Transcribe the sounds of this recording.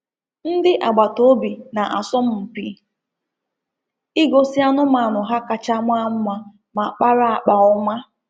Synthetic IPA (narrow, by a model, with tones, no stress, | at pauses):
n̩˦dɪ˦ʔa˨ɡ͡ba˨to˦bi˨na˨ʔa˨sɔ˦m̩˦m̩˨pi˨ | i˦ɡo˦sɪ˦a˦nʊ˦ma˨nʊ˨ɦa˦ka˨t͡ʃa˦mʷ˦a˦m̩˦ma˨ | ma˨k͡pa˦ɾa˦a˨k͡pa˨ɔ˦ma˦